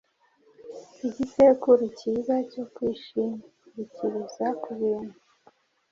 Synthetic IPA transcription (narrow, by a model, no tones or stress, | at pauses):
iɟisekuɾicizaco̞kwiːʃiːmaɾiciɾizakuβiːnu